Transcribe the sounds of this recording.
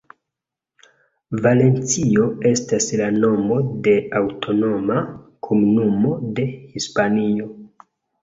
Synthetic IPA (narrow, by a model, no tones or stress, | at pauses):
vale̞nt͡sio̞e̞staslano̞mo̞de̞awtʰo̞no̞makʰomunumo̞de̞hispanio̞